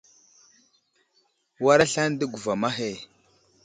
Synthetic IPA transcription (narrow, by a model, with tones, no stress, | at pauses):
wa˦ɾa˦ɬa˦n˦də˦ɡu˨va˨ma˦ɦe˨